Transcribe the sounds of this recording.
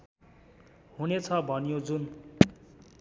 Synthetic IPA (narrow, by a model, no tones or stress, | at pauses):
ɦunet͡sʰʌbʱʌnjod͡zun